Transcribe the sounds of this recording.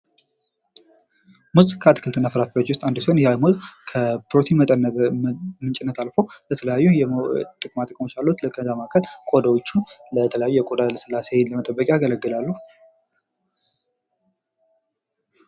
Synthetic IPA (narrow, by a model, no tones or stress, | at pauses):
muzɨkʰat̪ʰɨ̥kɨlt̪ʰɨnːafəɾat̪fot͡ʃːwʊst̪ʼand̪usonjɛajmuzkʰəpɾot̪ʰinmʼ | mɨnt͡ʃʼɪnːət̪ʰalfo̞lət̪ʰələjajːujɛt̪ʼɨkʼmat̪ʼəkʼmot͡ʃːjalːut̪ləkʰʼənzamakʰəlkʼod̪awot͡ʃːunlət̪ʰələjajujɛkʼod̪alsɨlːasenləmət̪ʼəbːəkʼeaɡələɡːɨlalːuh